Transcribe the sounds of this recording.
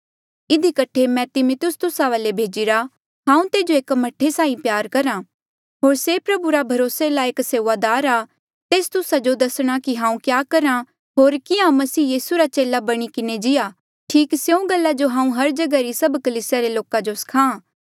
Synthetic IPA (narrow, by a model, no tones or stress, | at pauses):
ɪd̪ʱikɐʈʰemɛ̃t̪ɪmʊt̪ʊst̪ʊsaʋaːlebʱeːd͡ʒiɾa | ɦãːũt̪eːd͡ʒoeːkmɐʈʰːesaːĩpjaːɾkɐɾãː | ɦoːɾsepɾɐbuɾabʱɐɾoːselaeːkseːʋad̪aːɾaː | t̪eːst̪ʊsad͡ʒod̪ɐsɽ̃akiɦãːũkjaːkɐɾa | ɦoːɾkɪãmɐsiːjiːsuɾat͡ʃeːlabɐɽ̃ikɪned͡ʒɪjaː | ʈʰiːksjeũɡɐlːad͡ʒoɦãːũɦɐɾd͡ʒɐɡaɾisɐbkɐliːsjaɾeloːkãd͡ʒoskʰãː